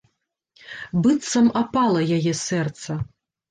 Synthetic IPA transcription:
bɨt̪sɐmapalˠɐjajɛsɛrt̪sɐ

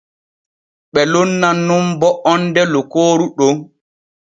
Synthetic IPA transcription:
ɓɛlonːanːumbɔɔndɛlokoːɾuɗo

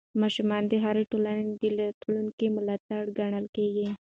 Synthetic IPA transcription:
mɑʃumɑnd̪eɦaɾʈolaned̪elat̪lunkimʊlɑt̪aɽɡaɳ̃əlkeɡi

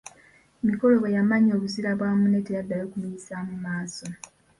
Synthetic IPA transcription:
miko̞lo̞βejamaɲo̞ːβuziɾaβwaːmune̞tejadːajo̞ːkumiisamumaːso̞

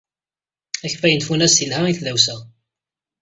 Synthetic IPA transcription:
æçfæjənt̪funæsθilhæiθðæwsæ

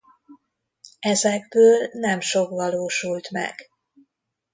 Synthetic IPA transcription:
ɛzɛɡ̚bøːlnɛmʃo̞kʋɒloːʃult̪mɛ̰ɡ̥

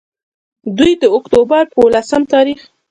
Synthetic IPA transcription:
d̪ujd̪əʊkt̪obaɾpəwlasəmt̪ɑɾix

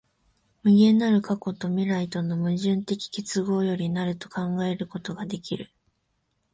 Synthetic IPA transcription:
mɯ̟ɡẽ̞nːaɾɯ̟kako̞t̪o̞mʲiɾait̪o̞no̞mɯ̟ʑɨ̃nt̪e̞kʲi̥kʲe̞t͡sɨɡo̞ːjo̞ɾʲinaɾɯ̟t̪o̞̥kãŋɡae̞ɾɯ̟ko̞t̪o̞ɡad̪e̞kʲiɾɯ̟

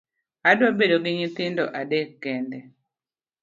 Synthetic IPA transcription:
adwabedoɡɪɲit̪ɪndɔ̰ʔadekɡɛndɛ

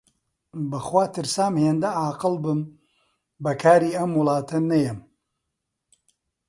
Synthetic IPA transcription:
bɐxwaːt̪ɨɾsaːmheːnd̪ɐʔaːqɨlˠbɨm | bɐkʰaːɾiːɐmwɨlˠɑːt̪ʰɐnɐjɛm

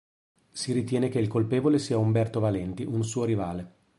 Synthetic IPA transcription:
siɾit̪jɛːnekeilkolpeːvolesiːaumbɛrt̪ovalɛnt̪iʔunsuːoɾivaːle

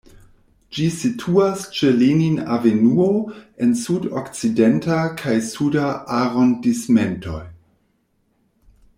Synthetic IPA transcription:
d͡ʒisitʰuast͡ʃelinina̰venuoensudokt͡side̞ntakʰajsudaʔaɾondisme̞ntʰo̞j

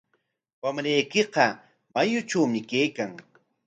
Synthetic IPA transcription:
wamɾajkɪqɑ | majʊt͡ʃawmɪkejkaŋ

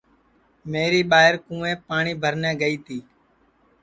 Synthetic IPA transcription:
meːɾiːɓaːɦɪɾkũːẽːpaːɳiːbʱəɾnɛ̃ːɡəiːt̪ʰiː

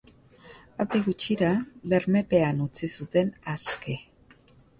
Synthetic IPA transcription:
awd̪eɣut͡ʃiɾaβe̞ɾme̞pe̞anut͡sisut̪e̞naske̞

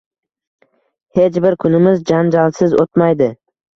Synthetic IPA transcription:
het͡ʃbɪɾkʰʊnɪmɪzd͡ʒand͡ʒalˠsɪzot̪majd̪ɪ

